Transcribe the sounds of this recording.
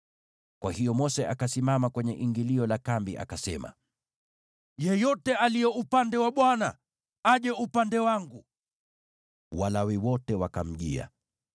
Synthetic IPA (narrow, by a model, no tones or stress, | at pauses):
kwahijɔmɔsɛʔakasimamakwɛɲɛʔiŋɡiliɔlakambiʔa̰kasɛma̰ | jɛjɔtɛalijɛupandɛwaɓwana | aʄɛupandɛwaŋɡu | walawɛwɔtɛwakam̩ʄḭa̰